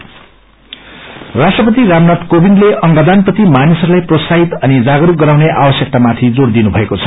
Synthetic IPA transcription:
rasʈrʌpʌt̪iɾamnat̪kobinɖleʌŋɡʌd̪anprʌt̪imanisʌrlajprosaɦit̪ʌnid͡zaɡɾuk̚ɡʌɾawneʔabʌsjʌk̚t̪amat̪ʰid͡zord̪inubʱʌekot͡sʰʌ̥

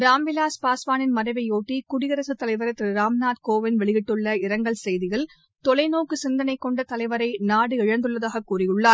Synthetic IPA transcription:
ɾaːmbɪlaːspaːsʋaːnɪnmɐɾɐɪʋɐɪjoːʈːikʊɽɪɣɐɾɐsɯt̪ːɐlɐɪʋɐɾɐt̪ːɯɾaːmnaːt̪koːʋɪnʋɛɭɪɣɪʈːɯɭːɐɪɾɐŋɡɐɭsɛjðɪɣɐɭ | t̪ɔlɐɪnoːkːɯsɪnd̪ɐnɐɪkːɔɳɖɐt̪ɐlɐɪʋɐɾɐɪnaːɽɯɪɻɐnd̪ɯɭːɐðaːɣɐkːuːrɪjɯɭːaːɾ

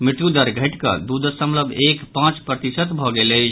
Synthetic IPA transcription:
mɪʈ̪jud̪əɾɡʱəʈkə̰d̪ud̪əsəmləbʱekpãt͡ʃpɾət̪isət̪bʱɔɡelət͡ʃʰ

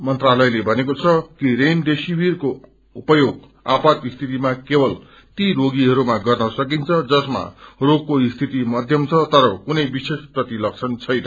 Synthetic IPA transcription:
mʌnt̪ralʌjlebʱʌnekot͡sʰʌkiɾemd̪esibirko | upʌjoɡ | apat̪ist̪ʰit̪imakebʌl | t̪iɾoɡiɦʌɾumaɡʌrnʌsʌkint͡sʰʌd͡zʌsma̰roɡ̚koist̪ʰit̪imʌd̪ʱjʌmt͡sʰʌt̪ʌɾʌkunʌjbisesprʌt̪ilʌk̚t͡sʰʌnt͡sʰʌjnʌ

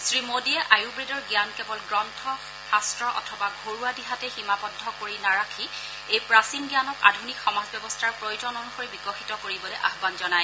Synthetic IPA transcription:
sɹimodiɛʔajubɹidɔɹɡjankɛbɔlɡɹɔntʰɔ | hastɹɔʔɔ̰tʰɔbaɡʱoɹuadiɦatɛximapɔdʱːɔkoɹinaɹakʰi | ejpɹasimɡjanɔka̰dʱunikxɔmazbjɛbɔstʰaɹpɹojd͡ʒɔnɔnuxoɹibikɔxʰitɔkoɹibɔlɛʔaɦbanzɔnaj

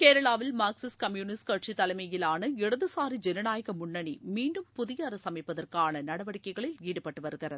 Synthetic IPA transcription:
keːɾɐɭaːʋɪlmaːksɪskɐmjuːnɪskɐʈ̚t͡ʃit̪ːɐlɐɪmɐjɪlaːnɐɪɽɐðɯsaːɾid͡ʒɛnɐnaːjɐɣɐmʊɳːɐɳimiːɳɖɯmpʊðɪjɐɾɐsɐmɐɪpːɐðɐrkaːnɐnɐɽɐʋɐɽɪkːɐɪɣɐɭɪliːɽɯpːɐʈːɯʋɐɾɯɣɪrɐðɯ

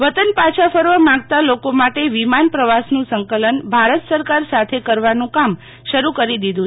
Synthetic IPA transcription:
ʋət̪ənpat͡ʃʰafəɾʋəmãŋɡ̚t̪alokomaʈeʋimanpɾəʋasnũsəŋkələnbʱaɾət̪səɾkaɾsat̪ʰekəɾʋanũkam | ʃəɾukəɾid̪id̪ʱũ

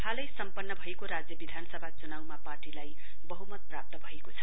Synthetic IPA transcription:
kʰalʌjsʌmpʌnːʌbʱʌekoɾad͡zjʌbid̪ʱanʌsʌbʱat͡sunawmaparʈilaj | bʌɦumʌt̪̚prap̚t̪ʌbʱʌekot͡sʰʌ

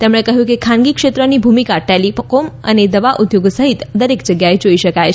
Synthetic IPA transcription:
t̪emɽ̃ekəɦjũkekʰanɡikʃet̪ɾənibʱumikaʈɛlipəkomə̰ned̪əʋaʔud̪joɡsəɦit̪d̪əɾekd͡ʒəɡjaed͡ʒoiʃəkajʰ

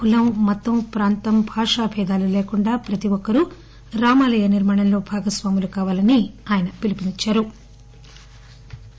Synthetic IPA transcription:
kulɐmːɔt̪ːɐmpɾaːnt̪ɐmbʱaːʂaːbʱɛːd̪aːluleːkuɳɖaːpɾɐt̪iʋɔkːɐɾu | ɾaːmaːlɐjɐniɾmaːɽɐmlo̞ːbʱaːɡɐsʋaːmulukaːʋaːlɐniaːjɐnɐpilipinit͡ʃːaːɾu

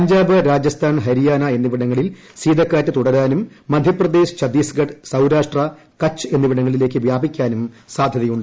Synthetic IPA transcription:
ɐɲd͡ʑaːbɨɾaːd͡ʑɐst̪ʰaːnɦɐɾijaːnɐe̞nːiʋiɽɐŋːɐɭil | siːd̪ɐkːaːtːɨt̪uɽɐɾaːnumː | ɐd̪ʱjɐprɐd̪e̞ːɕɨ̥t͡ɕɐd̪iːsɡɐɖsɐwɾaːʂʈrɐ | kɐt͡ɕːɨe̞nːiʋiɽɐŋːɐɭile̞ːkːɨʋjaːbikʲːaːnum | saːd̪ʱjɐðɐjuɳɖɨ

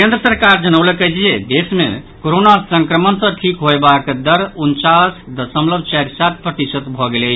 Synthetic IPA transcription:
kend̪ɾəsəɾkaɾd͡ʒənəwlekəjt͡ʃʰijed̪esmḛ | koɾonasəŋkɾəmənsə̃ʈʰikɦoebakd̪əɾunt͡ʃasd̪əsəmləbʱt͡ʃaɾsat̪̚ʰpɾət̪isəd̪bʱɔɡelɛ

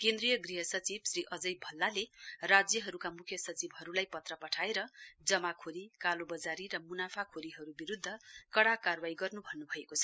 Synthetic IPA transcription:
kend̪rijʌɡriɦʌsʌt͡sibsriʔʌd͡zʌjbʱʌlːalerad͡zjʌɦʌɾukamukʰjʌsʌt͡sibɦʌɾulajpʌt̪rʌpʌʈʰaeɾʌd͡zʌmakʰoɾikalobʌd͡zaɾiɾʌmunapʰakʰoɾiɦʌɾubiɾud̪ʱːʌkʌɽakarwajɡʌrnubʱʌnːubʱʌekot͡sʰʌ

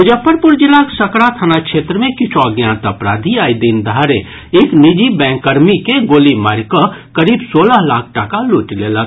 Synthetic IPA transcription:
ʊd͡ʒəpːəɾpʊɾd͡ʒɪlaksɐkɽat̪ʰənakʃʰeːt̪ɾəmẽkɪt͡ʃʰoaɡjaːnt̪əpɾaːd̪ʱiaːid̪ind̪ʱaːɾe | ɪknid͡ʒibɛ̃ːŋkːəɾmikeɡoːlimaɾkəkɐɾiːbsoːləɦlaːkʰʈakaluːʈileːlək

